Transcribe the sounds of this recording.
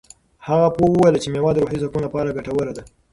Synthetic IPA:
haɣapowəwajlat͡ʃemewɑd̪ɾoħizakunlapɑɾaɡaʈawəɾad̪a

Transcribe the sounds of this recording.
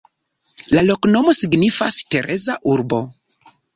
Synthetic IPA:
lalo̞kno̞mo̞siɡnifaste̞ɾʔe̞zaʔuɾbo̞

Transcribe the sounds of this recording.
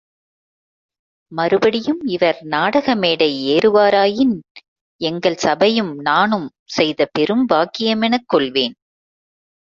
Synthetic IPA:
mɐɾɯbɐɽɪjɯmɪʋɐɾnaːɽɐɣɐmeːɽɐɪeːɾɯʋaːɾaːjɪn | ɛŋɡɐɭsɐbɐjɯmnaːnɯm | sɛjðɐpɛɾɯmbaːkːɪjɐmɛnɐkːɔɭʋeːn

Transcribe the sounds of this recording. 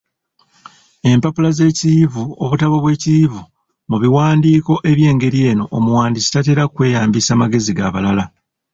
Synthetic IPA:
e̞mpapulaze̞ːcivuo̰βutaβoβwe̞ːcivu | muβiwaːndiːko̞ʔe̞βje̞ːŋɡe̞ɾije̞ːno̞ʔomuwaːndisi̥tate̞ːɾakwe̞ːjaːmbisaːmaɡe̞ziɡa̰βalala

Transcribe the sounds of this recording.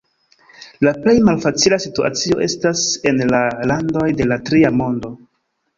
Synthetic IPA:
laple̞jmalfat͡silasitua̰t͡sio̞̰ʔe̞stase̞nlalando̞jde̞latɾiamo̞ndo̞

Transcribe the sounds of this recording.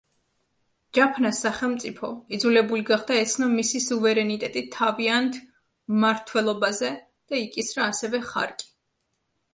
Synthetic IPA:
d͡ʒapʰnasːaχɛlˠmt̪sʼipʰɔid̪zulɛbuliɡaχd̪aɛt̪sʰnamisisuvɛɾɛnit̪ʼɛt̪ʼit̪ʰːaviant̪ʰ | maɾt̪ʰwɛlˠɔbazɛ | d̪̥aikʼisɾaːsɛvɛχa̰ɾkʼi̥

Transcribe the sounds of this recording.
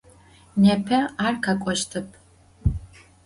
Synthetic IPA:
nepʰɐaːrkʰakʷʼɔʃtʰɨpʰ

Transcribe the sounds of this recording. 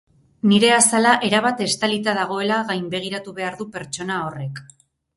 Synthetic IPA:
niɾe̞asalaʔe̞ɾaβat̪e̞st̪alit̪aðaɣ̞o̞e̞laɣajmbe̞ɣ̞iɾat̪uβe̞aɾðupe̞ɾt͡ʃo̞naore̞k

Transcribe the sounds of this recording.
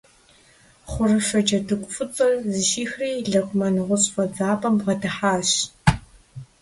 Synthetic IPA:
χʷʊrɨfɐd͡ʒʼɐdɨkʷʼʊfʼɨt͡sʼɐrzɨʃiːxriːɮɐqʷʼʊmɐnɨʁʷʊɕʼfʼɐd͡zaːpʼɐmʁɐdɨħaːɕ

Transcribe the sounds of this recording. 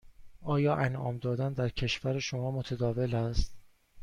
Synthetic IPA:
ʔɒːjɒːʔænɒ̰ːmd̪ɒːd̪ænd̪æɾcʰe̞ʃvæɾeʃomɒːmot̪ʰæd̪ɒːve̞læst̪

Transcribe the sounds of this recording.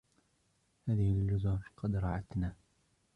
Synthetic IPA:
haːðɪhɪlːʊzʊːɾqɑd̪ɾˤɑʕat̪naː

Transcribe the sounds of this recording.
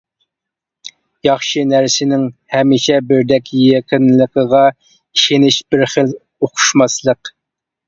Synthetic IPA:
jɑχʃɨnæɾsɪnɪŋhɛmiʃɛbɪɾd̪ɛkʲʰjɛkʲinləqʰəʁɑ | iʃenɪʃbɪɾχəl | oqʰʊ̥ʃmɑslˠəq

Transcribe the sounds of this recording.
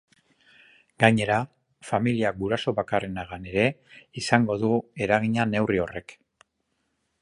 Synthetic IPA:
ɡ̥aɲe̞ɾa | familiaɡuɾaso̞βakare̞naɣane̞ɾe̞isaŋɡo̞ðue̞ɾaɣiɲane̞wrio̞re̞k

